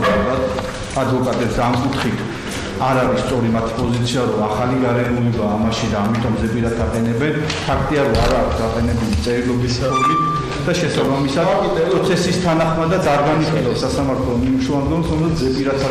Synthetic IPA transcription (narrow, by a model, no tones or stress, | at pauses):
ɛɾat̪ | ad̪vɔkʼat̪ʼɛpsd̪aːmkʼut̪ʰχit̪ʰ | aɾaɾisːt̪sʼɔɾimat̪ʰi̥pʼɔzit̪sʰiaɾɔaχaliɡaɾɛmulɛbaːmaʃid̪aːmit̪ʼɔmzɛpʼiɾat̪ʰaqʼɛnɛbɛn | pʰakʰt̪ʼiaɾɔaɾaːkʰtsɡaqʼɛnɛbulit̪sʼɛɾilˠɔbispʰɔmit̪ | d̪̥aʃɛsabamisad̪pɾɔt̪sʰɛsist̪ʰanaχmad̪ad̪aɾɡaniχilˠasasamaɾt̪ʰlɔmimuʃuand̪ɡɔmsɔmzat̪zɛpʼiɾat̪ʰa